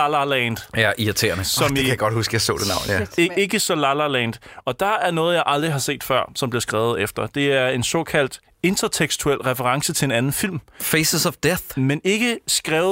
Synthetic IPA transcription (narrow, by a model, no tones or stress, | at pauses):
lɐlɛːnd̥æʔiɐt͡sʰe̝̰ːɐnəsɒ̽mkʰæjaɡ̥ɒd̥husɡ̥əjɑ̈ɪsɔ̰ːd̥enɑʊ̰n̩jæe̝ɡ̥əsɒ̽lɑlɑlɛnd̥ɒ̽d̥ɑ̈æɐnɔ̽ːð̩ˠjɑ̈ɪʔɑ̈ld̥ʁiɦɑ̈se̝̰ːd̥fɶɐ̰sɒ̽mb̥liɐsɡ̥ʁɛ̰ːʊð̞̩ˠefd̥ɐd̥e̝æɐe̝nsɒ̰̽ːkʰæl̰d̥ | e̝nt͡sʰɐt͡sʰeɡ̥sdt͡sʰuel̰ʁɛfəʁɑ̈ŋsət͡sʰe̝e̝nænn̩fil̰mfesəsɒfd̥eθmene̝ɡ̥əsɡ̥ʁɛːʊ